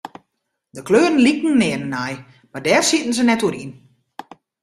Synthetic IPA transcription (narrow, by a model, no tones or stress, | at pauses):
dəkløːɾn̩likn̩nɛənn̩aj | madɛːrsitn̩sənɛtuəɾin